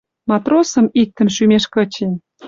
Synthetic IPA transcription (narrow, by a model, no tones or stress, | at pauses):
mɑt̪rosə̆mik̚t̪ə̆nʃymeʃkət͡ɕen